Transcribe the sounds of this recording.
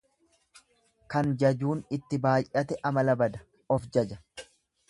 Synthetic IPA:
kɐnd͡ʒɐd͡ʒuːnɪt̪ːɪbaːjʔʔɐt̪ɛʔɐmɐlɐbɐd̪ɐ | ɔfd͡ʒɐd͡ʒɐ̥

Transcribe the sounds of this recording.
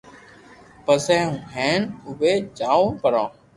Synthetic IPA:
pəsɛ̃ːɦũːɦɛ̃ːnʊʋeːd͡ʒaːõːpəɾãː

